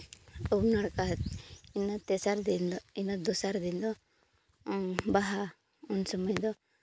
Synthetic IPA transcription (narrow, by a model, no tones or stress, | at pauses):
ɔbnaɽkat̪inːɔt̪esaɾd̪ind̪ɔinːɔd̪ɔsaɾd̪ind̪ɔ | baɦa | ɔnsɔmɐjd̪ɔ